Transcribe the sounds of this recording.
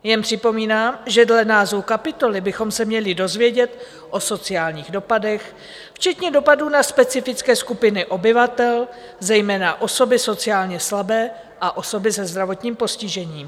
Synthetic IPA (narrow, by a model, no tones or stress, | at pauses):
jɛmpr̥ɪpo̞miːnaːmʒɛdlɛnaːzowkapɪt̪o̞lɪbɪxo̞msɛmɲɛlɪdo̞zvjɛɟɛt̪ | ʔo̞so̞t͡sɪaːlɲiːɣdo̞padɛx | ft͡ʃɛt̪ɲɛdo̞paduːnaspɛt͡sɪfɪt͡skɛːskupɪnɪʔo̞bɪvat̪ɛl | zɛjmɛːnaʔo̞so̞bɪso̞t͡sɪaːlɲɛslabɛː | ʔaʔo̞so̞bɪsɛzd̪ɾavo̞t̪ɲiːmpo̞scɪʒɛɲiːm